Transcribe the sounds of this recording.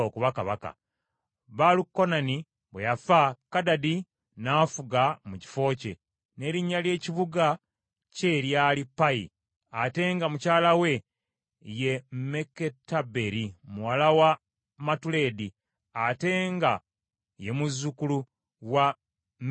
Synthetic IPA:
okuβakaβa̰ka̰ | βalukːo̞nani | βwejafakadadi | naːfuɡamuci̥fo̞ːce̞̰ | ne̞ɾiɲːalje̞ːciβuɡa | ce̞ɾjaːlipːaḭ | ate̞ːŋɡamucaːlawe̞ | je̞me̞kːetːabe̞ɾimuwalawa | matule̞di | ate̞ŋɡa | je̞muzːukulu | wa

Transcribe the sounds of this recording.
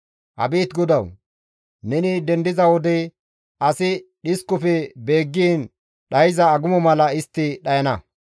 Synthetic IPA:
ʔɐ̰biːt̪ɡɔd̪ɐw | nɛnɪd̪ɛnd̪ɪzɐwɔd̪ɛj | ɐsɪɗɪskʊfɛbe̞ːɡːiːn | ɗɐjɪzɐːɡʊmɔmɐlɐɪst̪ːɪɗɐjɐnɐ

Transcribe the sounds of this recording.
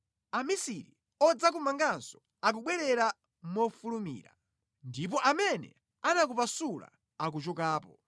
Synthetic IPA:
amisiɾḭ | ɔd͡zak̬umaŋɡanzɔ | ak̬uɓwɛɾɛɾa | mɔfulumḭːɾa̰ | ndip̬ɔʔamɛnɛ̰ | anak̬upasula̰ | ak̬ut͡ʃɔkaːpɔ

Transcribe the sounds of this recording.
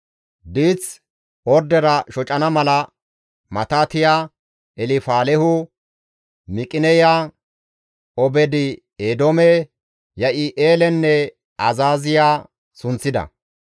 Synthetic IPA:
d̪iːt͡s | ɔɾd̪ɛɾɐʃɔt͡ʃʼɐnɐmɐlɐ | mɐt̪aːt̪ɪjaː | ɛlɪfaːlɛhʊ | mɪkʼɪnɛjaː | ɔbɛd̪ɪ | eːd̪omɛ | jɐʔɪʔeːlɛnːɛ | ɐzaːzɪjaː | sʊnt͡sːɪd̪ɐ̰

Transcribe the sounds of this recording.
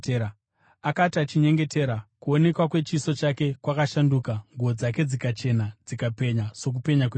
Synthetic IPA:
akatat͡ʃiɲe̞ŋɡe̞te̞ɾakuone̞kwakwe̞t͡ʃiso̞t͡ʃake̞kwakaʃandukaŋɡuod͡zak̬e̞d͡zikat͡ʃe̞nad͡zikape̞ɲaso̞k̬upe̞ɲake

